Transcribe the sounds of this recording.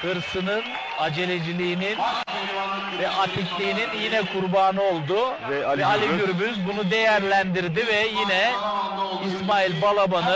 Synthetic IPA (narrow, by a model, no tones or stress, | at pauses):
hɯɾsɯnɯn | ad͡ʒe̞lʲe̞d͡ʒilʲiːnin | vɛʔat̪ʰiclʲiːninjinɛkʰuɾbaːnɯo̞lˠd̪ʊ | ɛɛalʲiɡyɾbyzbunud̪e̞jæɾlʲænd̪iɾd̪ivɛjinɛ | ismaːilʲbalˠabanɯ